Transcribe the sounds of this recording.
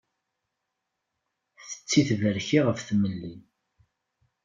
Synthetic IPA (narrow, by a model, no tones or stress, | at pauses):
θə̥t͡sːiθvəɾçiʁəfθməlːin